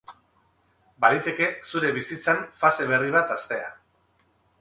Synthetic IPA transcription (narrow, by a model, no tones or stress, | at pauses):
baɾijt̪e̞ke̞suɾe̞βisit͡sanfase̞β̞e̞riβ̞at̪ast̪e̞a